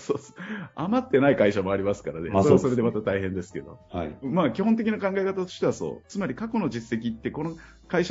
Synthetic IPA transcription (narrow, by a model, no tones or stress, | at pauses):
soːsoamat̪ːe̞naikaiɕamo̞aɾʲimasɨ̥kaɾaneoɾeaso̞ɾe̞d̪e̞mat̪at̪aiɦẽ̞nd̪e̞sɨ̥ke̞d̪o̞̰haimaːkʲihont̪e̞kʲinakãŋɡaekat̪at̪o̞ɕi̥t̪e̞βaso̞̰ːt͡sɨmaɾʲikako̞no̞ʑisːe̞kʲit̪ːe̞ko̞no | kaiɕa